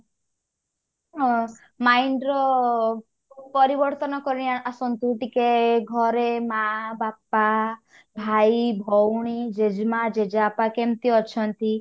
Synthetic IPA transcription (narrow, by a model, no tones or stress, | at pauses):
ɦɔ̃ | maiɳɖɾɔ | upɔɾibɔɾt̪ɔnɔkɔɾiniaasɔnt̪uʈikeɡʱɔɾemabapa | bʱaibʱɔwɽ̃id͡ʒed͡ʒmad͡ʒed͡ʒapakemt̪iɔt͡ʃʰɔnt̪i